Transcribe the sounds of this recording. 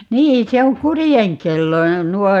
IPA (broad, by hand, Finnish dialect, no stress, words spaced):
niː se oŋ kurijeŋkelːojɑ nuot